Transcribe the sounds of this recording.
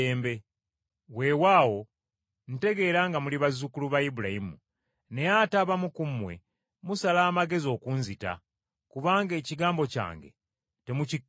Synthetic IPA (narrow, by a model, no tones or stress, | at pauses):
eːmbe̞ | we̞waːwo̞ | n̩te̞ɡe̞ːɾaŋɡamuliβazukuluβajibulahimṵ | ne̞jataβamukumwe̞̰ | musalaːmaɡe̞zio̞ːkunzita̰ | kuβaːŋɡe̞ːciɡaːmbo̞ca̰ːŋɡe̞̰ | te̞muci